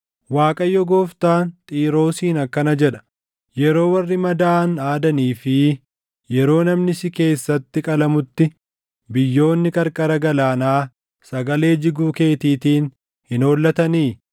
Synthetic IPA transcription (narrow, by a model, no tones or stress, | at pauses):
waːkʼɐjːɔɡoːft̪aːnt̪ʼiːɾo̞ːsiːnɐkːɐnɐd͡ʒɛᶑɐ̥ | jɛɾo̞ːwɐrːɪmɐd̪aːnaːd̪ɐniːfɪ | jɛɾo̞ːnɐmnɪsɪke̞ːsːɐt̪ːɪkʼɐlɐmʊt̪ːɪ | bɪjːo̞ːnːɪkʼɐɾkʼɐɾɐɡɐlaːnaː | sɐɡɐle̞ːd͡ʒɪɡuːke̞ːt̪iːt̪iːn | hɪnoːlːɐt̪ɐniː